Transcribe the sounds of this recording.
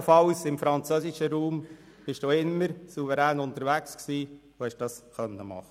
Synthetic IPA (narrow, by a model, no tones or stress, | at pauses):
fɑʊsɪmfɾɑnt͡søsɪʃəɾuːm | b̥ɪʃd̥uːɪmːəɾsuvəɾæːnʊnt̪əɾʋæksksiː | ohɛʃd̥ɑsχœnːəmɑ̰χə